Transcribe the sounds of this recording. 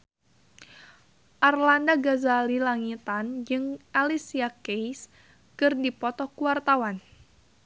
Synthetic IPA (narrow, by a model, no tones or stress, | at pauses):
ʔarlandaɡazalilaŋit̪and͡ʒɨŋalisiakejs | kɨrdipɔt̪ɔkuwart̪awan